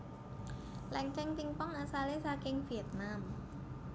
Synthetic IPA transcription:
lɛŋkɛŋt̪iŋpɔŋʔaːsaːleːsaːkeŋfiət̪̚naːm

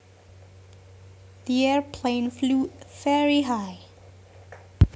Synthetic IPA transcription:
ðiɛɹpʰlẽɪ̃nflufɛɹiɦaɪ

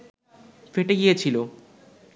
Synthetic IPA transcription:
feʈeɡijet͡ɕʰilo

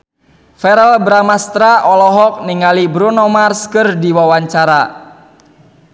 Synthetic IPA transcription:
fɛɾɛlbɾamast̪ɾaʔɔlɔɦɔk̚niŋalibɾunɔmarskɨrdiwawaɲt͡ʃaɾa

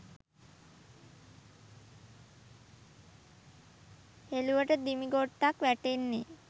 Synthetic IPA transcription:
heluʋəʈəd̪imiɡoʈːakʋæʈenːe

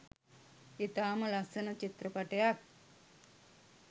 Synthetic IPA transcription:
it̪aːməlasənət͡ʃit̪rəpaʈejak̚

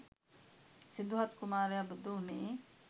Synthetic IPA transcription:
sid̪uɦɐt̪kumaːɾejabud̪uɦuniː

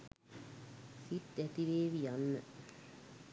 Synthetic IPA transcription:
fit̪æt̪iʋeːʋiaɑnːə

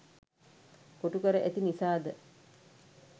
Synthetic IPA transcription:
koʈukəɾəʔet̪inisaːd̪ə

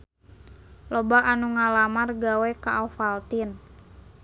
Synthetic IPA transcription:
lɔbaʔanuŋalamarɡawɛkaʔafalt̪in

